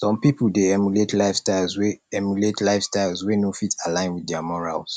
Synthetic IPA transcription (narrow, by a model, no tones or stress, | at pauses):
sɔ̃mpipuldeɛmjuletʰlaɪfstaɪlˠzweɛmjuletlaɪfstaɪlˠzwenofitʰalãɪ̃nwiddɛamɔɹa̰ls